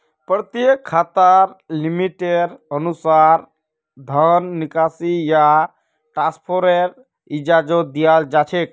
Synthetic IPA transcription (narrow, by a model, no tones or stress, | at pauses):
pɾət̪jəkʰːat̪əɾlimiʈeɖənusaɾ | d̪ʱənːikasija | ʈɾaspʰoɾeɾ | id͡ʒad͡ʒod̪ijald͡ʒat͡ʃʰek̚